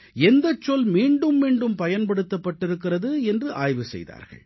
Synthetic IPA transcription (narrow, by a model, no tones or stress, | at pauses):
ɛnd̪ɐt͡ʃːɔlmiːɳɖɯmːiːɳɖɯmpɐjɐnpɐɽɯt̪ːɐpːɐʈːɪɾɯkːɪrɐðɯɛndrɯʔaːjʋɯsɛ̰jða̰ːɾɣɐ̰ɭ